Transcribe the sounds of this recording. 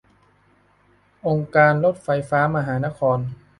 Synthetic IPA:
ʔo˧ŋkaː˧nlo˦˥˩t̪̚fa˧jfaː˦˥ma˧ɦaː˩˦na˦˥kʰɔː˧n

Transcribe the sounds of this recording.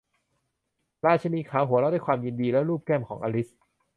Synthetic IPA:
ɾaː˧˥˩t͡ɕʰa˧miː˧kʰaː˩˦wɦu˨˦ɾa˦˥˩daː˥˩jkʰwaː˧mji˧ndiː˧lɛː˦˥wɾuː˥˩p̚kɛː˥˩mkʰɔː˩˦ŋʔa̰˧li˦˥s

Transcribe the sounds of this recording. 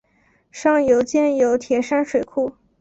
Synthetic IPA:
ʂɑ˥˩ŋjo˧˥ʊt͡ɕjɛ˥˩njo˧˥ʊt̪ʰjɛ˧˥ʂa˥nʂwe˨˩ɪkʰu˥˩

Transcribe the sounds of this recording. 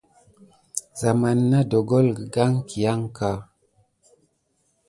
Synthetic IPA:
za˨ma˨nːa˦do˨ɡo˦lɡə˨ɡa˦ŋkʰi˨ja˦ŋka˨

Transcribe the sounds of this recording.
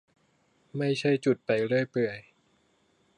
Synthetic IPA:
ma˥˩jt͡ɕʰa˥˩jt͡ɕu˨˩t̪̚pa˨˧jɾɯ˥˩əjpɯ˨˩əj

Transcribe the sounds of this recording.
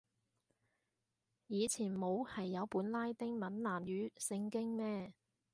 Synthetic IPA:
jiː˨˧t͡sʰiː˨˩nmo˨˧whɐ˨jːɐ˨˧wpuː˨˥nlaː˥jt̪ɪ˥ŋmɐ˨˥nlaː˨˩mjyː˨˥sɪ˧ŋkɪ˥ŋmɛː˥

